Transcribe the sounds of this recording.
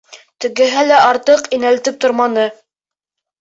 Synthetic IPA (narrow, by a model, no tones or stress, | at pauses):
t̪ɘ̆ɡɘ̆ɦælæʔɑɾt̪ɤqinælt̪ɘp̚t̪ŏɾmɑnɤ